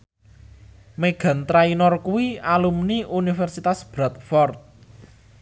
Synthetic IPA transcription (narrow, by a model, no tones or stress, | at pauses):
meɡ̥a̤nt̪ɾainɔrkuwialumniunifɛrsit̪asb̥ɾat̪̚fɔrt̪̚